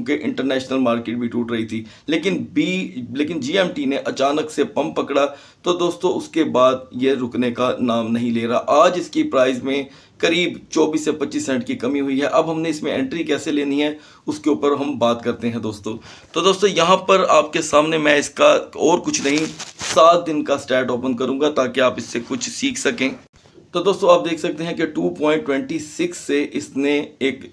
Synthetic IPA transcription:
ũkeʔɪ̰̃ɳʈəɾnɛːʃnəlmaːɾkeːʈ̚bʱiʈuːʈɾɐɦit̪ʰi | leːkɪnbiːleːkɪnd͡ʒiːɛːmʈineʔɐt͡ʃaːnəksepɐ̃mppːɐkɽa | t̪od̪oːst̪õʊskebaːd̪jeɾʊknekanaːmnɐɦĩleːɾɐɦaʔaːd͡ʒɪskipɾaːɪzmẽ | kɐɾiːbt͡ʃɔːbiːsːepɐtːʃiːsːɛ̃ːɳʈkikɐmiɦʊiɦɛʔɐbɦɐmneɪsmẽɛ̰̃ɳʈɾikɛːseleːniɦɛ̃ | ʊskeʊːpəɾɦɐmbaːt̪kɐɾt̪eɦɛ̃d̪oːst̪oː | t̪od̪oːst̪õjɐɦãpɐɾaːp̚kesaːmnemɛ̃ɪskaɔːɾkʊt͡ʃʰnɐɦĩsaːt̪̚d̪ɪnkasʈɛːʈɔːpə̃nkɐɾũːŋɡat̪aːkeaːpɪsːekʊt͡ʃʰsiːkʰsɐkẽː | t̪oːd̪oːst̪õaːp̚d̪eːkʰsɐk̚t̪eɦɛ̃keʈuːpɔ̃ːɪ̃ɳʈːwɛ̃ɳʈisɪksːeʔɪsneeːk

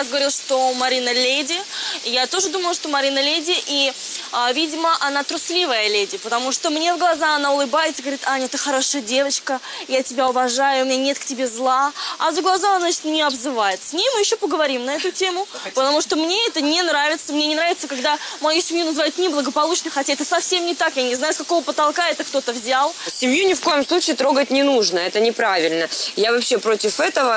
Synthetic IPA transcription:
azɡəvɐɾʲilˠʂt̪omɐɾʲinəlʲedʲɪjat̪o̞ʐɨd̪uməlˠʊʂt̪o̞mɐɾʲinəlʲedʲɪʔi | avʲidʲɪməʔɐnat̪ɾʊslʲivəjəlʲedʲɪpət̪ɐmuʂt̪omnʲe̞vɡlˠɐzaxɐnaʊlˠɨbajɪt̪səɡəvɐɾʲit̪anʲɛt̪əxɐɾo̞ʂəjədʲe̞vət͡ɕkəjatʲɪbʲaʊvɐʐajʊumʲɪnʲanʲe̞t̪ktʲɪbʲezlˠaɐzəɡlˠɐzaɐnat͡ɕɪt̪nʲɪɐbzɨvajɪt̪sʲnʲejmɨjɪɕːopəɡəvɐɾʲimnɐɛt̪ʊtʲe̞mʊpət̪ɐmuʂt̪omnʲeɛt̪ənʲɪnɾavʲɪt̪səmnʲenʲɪnɾavʲɪt̪səkaɡd̪amɐjusʲɪmʲjunəzɨvajʊt̪nʲɪblˠəɡəpɐlˠut͡ɕnəxɐtʲaɛt̪əsɐfsʲemnʲɪt̪akjanʲɪznajʊskɐko̞vəpət̪ɐlˠkaɛt̪əkt̪o̞t̪əvzʲalˠsʲɪmjunʲɪfko̞jɪmslˠut͡ɕiːt̪ɾo̞ɡət̚ʲnʲɪnuʐnəɛt̪ənʲɪpɾavʲɪlʲnəjavɐpɕːe̞pɾotʲɪfɛt̪əvə

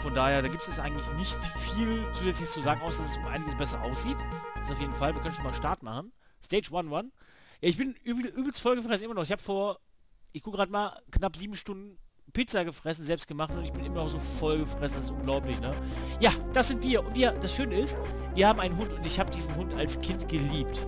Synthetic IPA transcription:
fɔndaːheːɐdaːɡiːptsɛsʔaɪɡŋ̩tlɪçnɪçtfiːlt͡suːzɛt͡slɪçəst͡suzaːɡŋ̩aʊsd̥asɛsʊmʔaɪnɪɡəsb̥ɛsɐʔaʊsz̥iːtd̥staʊjeːdn̩falviːɐkanʃonmaːʃtaɐtmaχn̩ | steɪt͡ʃwanwanjaːɪçb̥ɪnʔyːbʔyːbl̩stfɔlɡəfʁ̥ɛsn̩ʔɪmɐnɔχɪçhaːbəfoːɐ | ʔɪçɡ̥ʰoːkɡʁaːdəmaːlknapz̥iːbm̩ʃtʊndn̩pɪt͡saɡəfʁ̥ɛsn̩zɛlpst̚ɡ̥əmaχtʊntɪçb̥ɪnʔɪmɐnɔχz̥oːfɔlɡəfʁ̥ɛsn̩dasɪstʔʊnɡlaʊplɪçnəjaːd̥asz̥ɪntv̥iːɐʔʊntv̥iːɐd̥asʃøːnəɪst | viːɐhaːbm̩ʔaɪnənɦʊntʊntɪçhaːbədiːzn̩ɦʊnta̰lskʰɪntɡ̥əliːpt

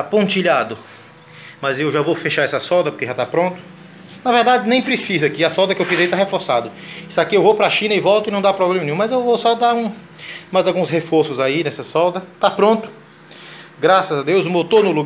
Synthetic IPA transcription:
apõnt͡ʃiʎad̪ʊ | mɐzewʒavofeʃaɾɛsɐsɔwd̪ɐpo̥keʒat̪apɾõnt̪ʊ̥ | nɐvɛɾd̪ad͡ʒɪnẽj̃pɾesizɐkɪɐsɔwd̪ɐkewfizait̪aɦefoɾsad̪ʊsakiewvopɾaʃĩnɐɪivɔwt̪ʊɪnɐ̃w̃d̪apɾɔblẽmɐnẽjũmɐzewvowsɔd̪aɾũ | majzawɡũshefoɾsʊzainɛsɐsɔwd̪ɐt̪apɾõnt̪ʊ̥ | ɡɾasɐzad̪ewzʊmewt̪onʊlu

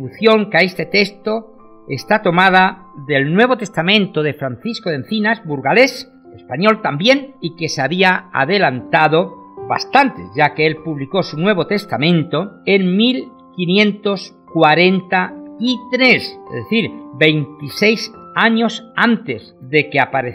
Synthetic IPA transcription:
uθjo̞ŋkaest̪e̞t̪e̞st̪o | est̪at̪o̞mað̞a | ðe̞lnwe̞β̞ot̪e̞st̪amẽ̞nt̪o̞ðefɾanθiskoðe̞nθinazbuɾɣale̞s | espaɲo̞lt̪ambje̞nike̞seaβiaa̰ðe̞lant̪aðo̞βa̰st̪ant̪e̞̰ʝakeelpuβliko̞sunwe̞β̞o̞t̪e̞st̪amẽ̞nt̪o̞eŋmil | kinjẽ̞nt̪o̞s | kwaɾe̞nt̪ait̪ɾe̞sezðeθiɾbe̞jnt̪ise̞jsaɲo̞sant̪e̞zðe̞keapaɾe

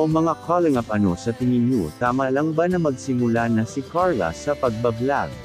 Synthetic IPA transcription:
omɐŋakʰalŋɐpɐno̞sɐt̪ɪŋɪnjut̪aːmalaŋbanɐmɐɡsɪmʊlanɐsɪkʰaɹlɐ̰sɐpɐɡ̚bɐɡlaɡ̚

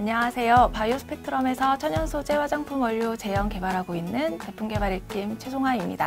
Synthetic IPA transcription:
aɲaŋasʰe̞jopajusʰɯ̥pʰetʰɯɾʌme̞sʰʌt͡ɕʰʌɲjʌnsʰod͡ʑe̞wad͡ʑaŋpʰumwʌʎːut͡ɕe̞jʌŋke̞baɾɦaɡoinːɯnte̞pʰuŋɡe̞baɾiɭk͈imt͡ɕʰesʰoŋɦwaimɲḭda

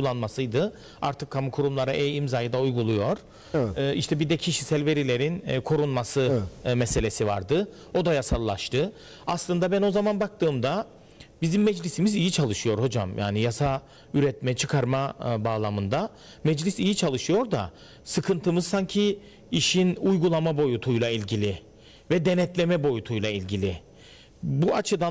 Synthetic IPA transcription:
ulˠːanmasɯjd̪ɯ | a̰ɾt̪ʰɯkʰːamukʰuɾumlˠaɾaʔejimzajɯd̪aujɡulˠujo̞ɾ̥ | iʃt̪ʰɛbid̪ɛcʰiʃisɛlʲve̞ɾilʲe̞ɾinkʰo̞ɾunmasɯmɛse̞lʲe̞siva̰ɾd̪ɯ | o̞d̪ajasalˠːaʃt̪ʰɯ | aslˠɯnd̪abæno̞zamanbak̚t̪ɯːmd̪a | bizimːɛd͡ʒlʲisimizijit͡ʃʰalˠɯʃɯjo̞ɾho̞d͡ʒa̰mjʔa̰ːnijasa | yɾɛt̪mɛt͡ʃʰɯkʰaɾmabaːlˠamɯnd̪a | mɛd͡ʒlʲisijit͡ʃʰalˠɯʃɯjo̞ɾd̪a̰ | sɯkʰɯnt̪ʰɯmɯzsaɲcʰiː | ʃinujɡulˠamabo̞jut̪ʰujlˠailʲɟilʲi | vɛd̪enɛt̪lʲe̞mɛbo̞jut̪ʰujlˠailʲɟilʲɪ | buat͡ʃʰɯd̪a

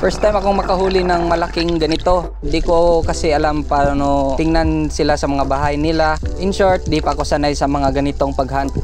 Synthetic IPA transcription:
fɛɹst̪ajmɐkoŋmɐkɐhuːlɪnɐŋmɐlakɪŋɡɐnɪt̪o̞ | nd̪ikokɐsɪʔɐlampaːɾanot̪ɪŋnɐnsɪlasɐmɐŋabaɦajnɪlaʔɪnʃoɹt̪̚d̪iːpɐɐko̞sanajsɐmɐŋaɡɐnɪt̪o̞ŋpɐɡhant̪̚

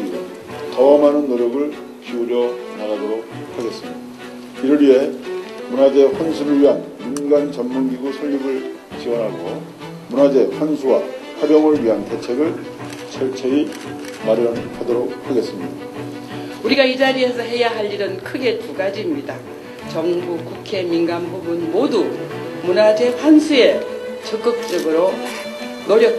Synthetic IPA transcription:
tʌʌmanɯnːoɾjʌɡɯɭ | kiuɾjʌnaɣadoɾok̚haɡe̞s͈ɯmɲid̥a | iɾɯɾɥie̞munad͡ʑe̞ɸwʌnsʰuɾɯɭɥiɦanːunɡant͡ɕʌnmunɡiɡusʰʌɭːiɡɯɭ | t͡ɕiwʌnɦaɡo | munad͡ʑe̞ɸwʌnsʰuwa | ɸwabjʌŋɯɭɥiɦante̞t͡ɕʰe̞ɡɯɭ | t͡ɕʰʌɭt͡ɕʰei | maɾʌnkʰadoɾok̚hʰaɡe̞s͈ɯmɲida | uɾiɡaid͡ʑaɾie̞sʰʌɦe̞jaɦaʎːiɾɯnkʰɯɡe̞tuɡad͡ʑiːmɲida | t͡ɕʌŋbukukʰe̞minɡanbubunmodumunad͡ʑe̞ɸʰwansʰue̞t͡ɕʌk͈ɯk̚t͡ɕ͈ʌɡɯɾo | noɾjʌk

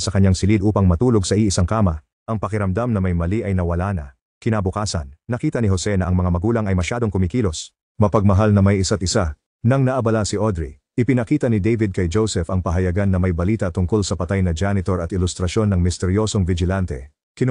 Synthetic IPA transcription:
sɐkɐɲːaŋsɪlid̪uːpɐŋmɐt̪uːlo̞ɡsɐʔiʔɪsaŋkaːmɐ | ʔɐŋpɐkɪɾɐmd̪amnɐmɐjmɐliʔɐjnɐwɐlaːnɐ̰ | kɪnabʊkaːsɐ̰nːɐkiːt̪ɐnɪɦo̞sɛnɐʔɐŋmɐŋamɐɡuːlɐŋɐjmɐʃaːd̪o̞ŋkʊmɪkiːlo̞s | mɐpɐɡ̚mɐɦalnɐmɐjɪsat̪̚ɪsa | nɐŋnɐʔɐbɐlasɪʔod̪ɾḭ | ʔɪpɪnɐkiːt̪ɐnɪd̪ejvɪd̪̚kɐjd͡ʒowsɛfɐŋpɐɦɐjɐɡanːɐmɐjbɐliːt̪ɐt̪ʊŋko̞lsɐpɐt̪ajnɐd͡ʒanɪt̪oɾɐt̪ɪlʊst̪ɾɐʃo̞nːɐŋmɪst̪ɛɾjo̞so̞ŋvɪd͡ʒɪlant̪ɛ̰ | kɪn

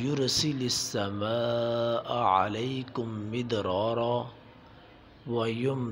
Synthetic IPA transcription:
jʊɾsɪlaasːamaːʔʕa̰lajkʊmːɪd̪ɾˤɑːɾˤaː | wajʊm

